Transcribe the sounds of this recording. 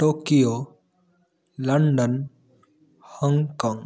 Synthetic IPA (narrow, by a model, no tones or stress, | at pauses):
ʈoːkijo | lɐɳɖən | həŋkɔ̃ːŋɡ